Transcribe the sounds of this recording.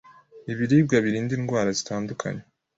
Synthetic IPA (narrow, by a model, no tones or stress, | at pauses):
iβiɾiːb̚ɡaβiɾiːndinɡwaːɾazitaːndukʰa̰ɲe